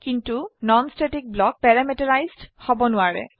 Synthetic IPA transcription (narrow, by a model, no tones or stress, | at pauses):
kintunɔnstetik̚blɔk̚pɛɹamitɔɹajzdhɔbɔnʊaɹɛ̰